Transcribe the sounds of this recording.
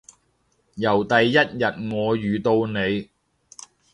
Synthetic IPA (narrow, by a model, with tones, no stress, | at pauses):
jɐ˨˩wt̪ɐ˨jːɐ˥t̚jɐ˨t̚ŋɔː˨˧jyː˨t̪o˧wne˨˧j